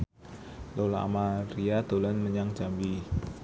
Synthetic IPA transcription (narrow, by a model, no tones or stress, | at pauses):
lolaʔa̰maɾiad̪̥olanməɲaŋd͡ʒambi